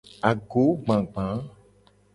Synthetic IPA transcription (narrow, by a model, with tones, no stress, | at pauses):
a˨ɡo˨˦ɡ͡bã˨ɡ͡bã˨˦